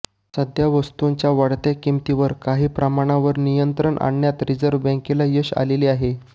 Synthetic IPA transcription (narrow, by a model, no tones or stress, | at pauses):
səd̪ʱjaʋəst̪uɲt͡ɕjaʋaɽt̪ekimt̪iʋəɾkaɦiːpɾəmaɽ̃aʋəɾnijənt̪ɾəɳʔa̰ɳːjat̪ɾid͡zəɾʋbɛ̃ŋkilajəɕa̰leliaɦe